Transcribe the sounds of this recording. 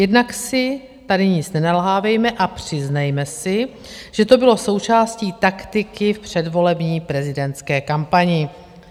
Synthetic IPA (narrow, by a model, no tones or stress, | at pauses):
jɛdnaksɪ | t̪adɪɲɪt͡snɛnalɦaːvɛjmɛʔapr̝̥ɪznɛjmɛsɪ | ʒ̥ɛt̪o̞bɪlo̞so̞wt͡ʃaːsciːt̪akt̪ɪkɪfpr̝̥ɛdvo̞lɛbɲiːpɾɛzɪdɛnt̪skɛːkampaɲɪ